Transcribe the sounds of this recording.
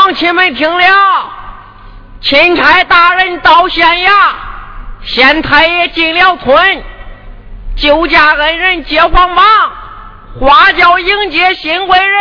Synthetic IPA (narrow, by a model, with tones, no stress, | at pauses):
ŋt͡ɕʰi˧˥nme˧˩ɪp̪ʰi˧˥ŋljɑ˥˩ʊ | t͡ɕʰi˧˥nʈ͡ʂʰa˧˥ɪt̪a˥˧ɻə˥˧˩nt̪ɑ˧˥ʊɕjɛ˧˥nja˥˩ | ɕjɛ˧˥nt̪ʰa˧˥ɪ˧t͡ɕi˥˩nljɑ˥˩ʊt̪ʰwə˧˥n | t͡ɕjo˧˥ʊt͡ɕja˥˩ɻə˧˥nɻə˥˧˩nt͡ɕjɛ˧˥xwɑ˥ŋpɑ˥˩ŋ | xwa˧˥t͡ɕjɑ˧˥ʊi˥ŋt͡ɕjɛ˧˥ɕi˧˥nwe˧˥ɪɻə˥˩